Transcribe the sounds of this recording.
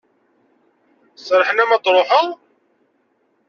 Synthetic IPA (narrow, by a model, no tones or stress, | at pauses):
sɾˤəħənæmɑt̪ˤɾˤoħəʁ